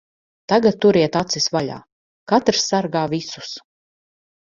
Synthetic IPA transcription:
t̪aɡat̪̚ːuɾiɛt̪at̪sisvaʎʲa̰ː | kat̪ɾsːaɾɡaːvisu̥s

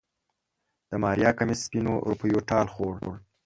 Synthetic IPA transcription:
d̪̥əmɑːɾjɑːkamɪspinoɾupəjoʈɑːlxoɽ̰ɽ

